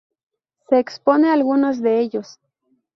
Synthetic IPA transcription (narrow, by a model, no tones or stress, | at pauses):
seːksponealɣunos̬d̪eeʎos